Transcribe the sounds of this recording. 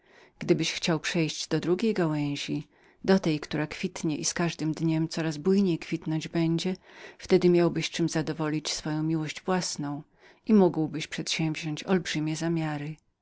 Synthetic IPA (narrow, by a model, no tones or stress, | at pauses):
ɡ̥d̪ɘbɘɕxt͡ɕawpʂɛjʑd͡ʑd̪ɔd̪ɾuɡʲejɡawɛ̃w̃ʑi | d̪ɔt̪ɛjkt̪uɾakfʲit̪ɲɛʔiskaʐd̪ɘmd̪ɲɛmt̪sɔɾazbujɲejkfʲit̪nɔɲd͡ʑbɛɲd͡ʑɛft̪ɛd̪ɘmʲjawbɘɕt͡ʂɘmzad̪ɔvɔlʲit͡ɕsfɔjɔ̃w̃mʲiwɔʑd͡ʑvwasnɔ̃w̃ | ʔimuɡwbɘɕpʂɛt̪ɕɛ̃mvʑɔɲt͡ɕɔlbʐɘmʲjɛzamʲjaɾɘ